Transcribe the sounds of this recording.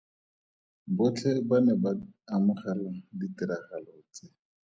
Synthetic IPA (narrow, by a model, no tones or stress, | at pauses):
bʊt͡ɬʰɛbanɛbaamʊχaɾɪŋ̩ditiɾaχalɔt͡se